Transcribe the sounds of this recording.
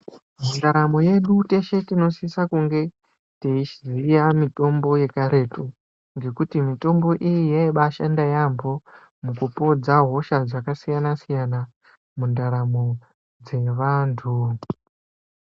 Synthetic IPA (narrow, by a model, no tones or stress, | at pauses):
mundaɾamoje̞ɗute̞ʃe̞tino̞sisakuŋɡe̞ | teiʃzijamito̞mbo̞je̞kaɾe̞to | ŋɡe̞kutimito̞mbo̞ʔijijaiɓaʃandajambo̞ | mukupo̞d͡zaɦo̞ʃad͡zakasijanasijana | mundaɾamo | d͡ze̞ʋantʰu